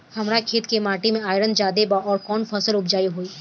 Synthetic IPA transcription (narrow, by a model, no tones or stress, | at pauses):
hɐmɾakʰeːt̪kemaːʈimẽaːɪɾənd͡ʒaːd̪ebaɔːɾkɔːnfʰɐsəlʊbd͡ʒaːiɦoːiː